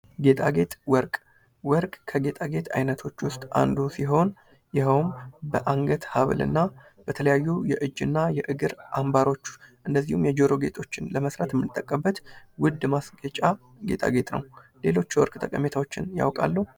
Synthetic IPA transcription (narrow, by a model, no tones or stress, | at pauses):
ɡe̞t̪ʼaɡe̞t̪ʼwɔɾkʼ | wɔɾkʼkʰəɡe̞t̪ʼaɡe̞t̪ʰa̰jnət̪ʰo̞t͡ʃːwʊst̪ʼa̰nd̪usiɦo̞n | jɪhəwmbəʔaŋɡət̪haβlɨ̰nːa | b̥ət̪ʰələjajːujɛʔɨd͡ʒːɨnːajɛʔɨɡɨɾʔambaɾo̞t͡ʃːʔɨnd̪əzːihumjɛd͡ʒo̞ɾo̞ɡe̞̰t̪ʼʰo̞t͡ʃːɪnləməsɾat̪jɛmɨnt̪ʼːəkʼːəbːət̪wʊd̪ːmasɡət͡ʃʼa | ɡe̞̰t̪ʼʰa̰ɡe̞t̪ʼnə̰wle̞lo̞t͡ʃːwɔ̰ɾkʼt̪ʼəkʼəme̞t̪ʰawo̞t͡ʃːɪnja̰wkʼa̰lːəu